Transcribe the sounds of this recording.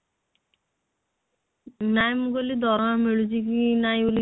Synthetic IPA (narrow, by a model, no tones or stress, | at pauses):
najmuɡolid̪ɔɾmameɭud͡ʑikinajuli